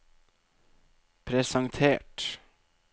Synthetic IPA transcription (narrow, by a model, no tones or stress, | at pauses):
pʰɾɛsɑŋt̪ʰeːʈ